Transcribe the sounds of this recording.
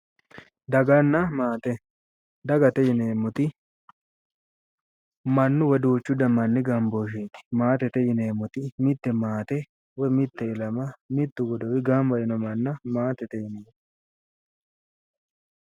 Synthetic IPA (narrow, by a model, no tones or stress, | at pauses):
d̪ɐɡɐnːɐmaːt̪ɛ | d̪ɐɡɐt̪ɛjɪneːmːʊt̪ɪ | mɐnːʊwɔd̪uːt͡ʃːʊd̪ɐmːɐnːɪɡɐmboːʃ̬eːt̪ɪ̥maːt̪ɛt̪ɛjɪneːmʊt̪ɪmɪt̪ːɛmaːt̪ɛ | wɔmɪt̪ːɛɪlɐmɐmɪt̪ːʊɡɔd̪ɔwɪɡɐmbɐjɪnɔmɐnːɐmaːt̪ɛt̪ɛjɪneːm